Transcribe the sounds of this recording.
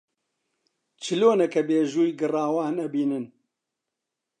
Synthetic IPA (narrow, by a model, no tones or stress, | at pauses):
t͡ʃʰɨloːnɐkɐbeːʒuːjɡɨrɑːwaːnɐbiːnɨn